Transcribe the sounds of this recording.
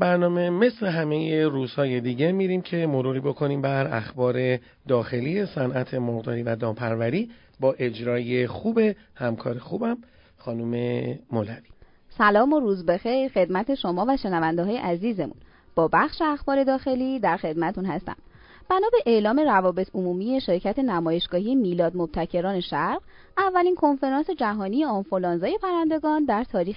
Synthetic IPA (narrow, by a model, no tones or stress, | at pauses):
bæɾnɒːme̞me̞sle̞ɦæme̞jeɾuːz̥hɒːje̞d̪iːɟe̞miːɾimcʰe̞mo̞ɾuːɾiːbo̞kʰo̞niːmbæɾæ̰xbɒːɾe̞ | d̪ɒːxe̞liːje̞sænʔæt̪ʰe̞moɣd̪ɒːɾiːvæd̪ɒːmpʰæɾvæɾiː | bɒːʔe̞d͡ʒɾɒːje̞xuːbe̞ | hæmkʰɒːɾexuːbæm | xɒːnume̞molævi̥ | sælɒːmoɾuːzbe̞xejɾxe̞d̪mæt̪ʰe̞ʃo̞mɒːvæʃe̞nævænd̪eɦɒːje̞̰ʔæziːze̞mṵn | b̥ɒːbæxʃe̞æxbɒːɾe̞d̪ɒːxe̞liːd̪æɾxe̞d̪̚mæt̪t̪ʰunhæst̪æ̰m | b̥ænɒːbe̞ʔeʔlɒːme̞ɾævɒːbe̞t̪ʰomuːmije̞ʃe̞ɾcʰæt̪ʰe̞næmɒːje̞ʃɡ̥ɒːhijemiːlɒːd̪mob̥̚t̪ʰæcʰe̞ɾɒːne̞ʃæɾɢ | ævːæliːnkʰo̞nfe̞ɾɒnse̞d͡ʒæɦɒːnije̞ɒnfolɒːnzɒːje̞pʰæɾænd̪e̞ɡɒːnd̪æɾt̪ʰɒːɾiːx